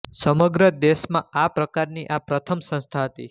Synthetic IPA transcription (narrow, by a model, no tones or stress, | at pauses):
səməɡɾəd̪eʃmã̰apɾəkaɾniʔapɾət̪ʰəmsə̃st̪ʰaɦət̪ḭ